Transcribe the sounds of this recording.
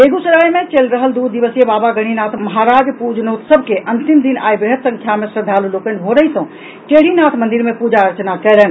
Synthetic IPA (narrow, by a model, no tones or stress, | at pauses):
eɡusəɾajmet͡ʃelɾəɦəld̪ud̪d̪iʋəsijebabaɡəɽ̃inat̪ʰməɦaɾad͡ʒpud͡ʒnot̪səbʱkeʔənt̪imd̪ina̰jbɾeɦət̪sə̃ŋkʰjamesɾəd̪ʱalulokən̆ɦoɾəɦisə̃ | ʈeɽ̤inat̪ʰmənd̪iɾmepud͡ʒaəɾt͡ʃnakɛlɛn